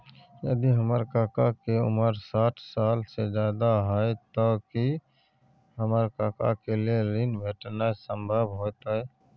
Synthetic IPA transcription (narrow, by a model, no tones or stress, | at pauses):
jə̰d̪iɦəməɾkakakeṵməɾsaːʈʰsaːlsed͡ʒjaːd̪aɦəjt̪ɔki | ɦəməɾkaka̰kelieɾinbʱeʈnasəmbʱəbʱɦot̪ɛ